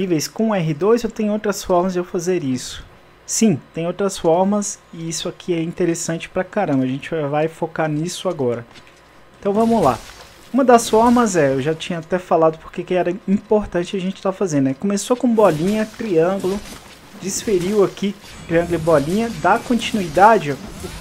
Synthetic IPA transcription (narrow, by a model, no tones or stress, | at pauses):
nivejskõɛɦɪd̪ojzewt̪ẽj̃ʊowt̪ɾɐsfɔɾmɐzd͡ʒewfazeɾisʊ̥ | sĩt̪ẽj̃owt̪ɾɐsfɔɾmɐsɪisʊakʰiɛĩnt̪eɾesɐ̃t͡ʃɪ̥pɾɐkaɾɐ̃mbɐʒẽnt͡ʃɪvajfokaɾnisʊaɡɔɾɐ | eẽt̪ɐ̃w̃vɐ̃mʊla̰ | ũmɐd̪ɐsfɔɾmɐzɛewʒat͡ʃĩɲɐat̪ɛfalad̪ʊpo̥ɾkekɪɛɾɐĩpoɾt̪ɐ̃t͡ʃɪɐʒẽnt͡ʃɪ̥t̪afazẽnd̪ʊɛkõmesokõbɔlĩɲɐt̪ɾiɐ̃ɡlʊ | d͡ʒisfeɾiwaki | t̪ɾiɐ̃ŋɡʊlɪbɔlĩɲɐd̪akõt͡ʃinuid̪ad͡ʒɪ